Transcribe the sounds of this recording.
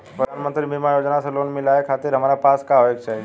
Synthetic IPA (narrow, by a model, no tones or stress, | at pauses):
pɾəd̪ʱaːnmənt̪ɾibʱɪmajoːd͡ʒnaseloːnmɪlaekʰaːt̪ɪɾɦɐmaːɾapaːskaʋeɡʃaɦe